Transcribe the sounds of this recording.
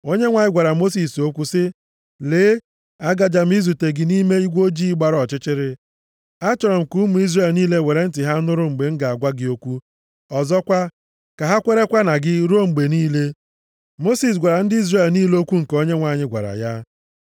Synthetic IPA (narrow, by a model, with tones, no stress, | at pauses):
o˦ɲe˦ŋʷa˨ɲɪ˦ɡʷa˨ɾa˨mo˦s̬i˨so˦kʷu˦sɪ˦ | leː˨˦ | a˦ɡa˨d͡ʒa˨m̩˦i˦zu˨te˨ɡɪ˨ni˦me˦i˦ɡʷo˦d͡ʒi˦ɡ͡ba˨ɾɔ˨t͡ʃɪ˦t͡ʃɪ˦ɾɪ˦ | a˦t͡ʃɔ˨ɾɔ˨m̩˨ku˦mu˨˦i˦zre˨lniː˦le˦we˨ɾe˦n̩˦tɪ˨ɦa˦nʊ˦ɾʊ˦ŋ͡m̩˨ɡ͡be˨ŋ̩˦ɡa˨a˨ɡʷa˦ɡɪ˨o˦kʷu˦ | ɔ˨zɔ˦kʷa˦ | ka˨ɦa˦kʷe˦ɾe˦kʷa˦na˨ɡɪ˦ɾo˦ŋ͡m̩˨ɡ͡be˨niː˦le˦ | mo˦si˨s̬ɡʷa˨ɾa˨n̩˦dɪ˦i˦zre˨lniː˦lo˦kʷu˦ŋ̩˨ko˦ɲe˦ŋʷa˨ɲɪ˦ɡʷa̰˨ɾa̰˨ja˦